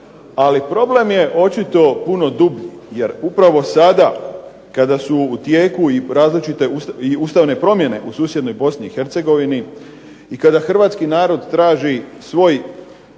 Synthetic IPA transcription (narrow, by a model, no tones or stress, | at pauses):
alipɾo̞ble̞mje̞ʔo̞t͡ʃit̪o̞puno̞d̪ubʎi | je̞ɾupɾaʋo̞sad̪a | kad̪asuːt̪jeːkuiɾaːzlit͡ʃit̪e̞usiuːst̪aʋne̞pɾo̞mje̞ne̞ʔusuːsje̞d̪no̞jbo̞sniixe̞ɾt̪se̞ɡo̞ʋini | ikad̪axr̩ʋaːt̪skinaːɾo̞d̪t̪ɾaːʒisʋo̞ːj